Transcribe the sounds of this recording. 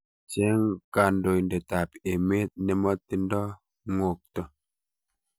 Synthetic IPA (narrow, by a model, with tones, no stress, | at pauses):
t͡ʃe˦ŋka˨ndo˨jnde˨ta˨pe˨me˦t̚nɛ˨mɔ˦tːi˦ndɔ˦ | ŋo˨k̚tɔ˦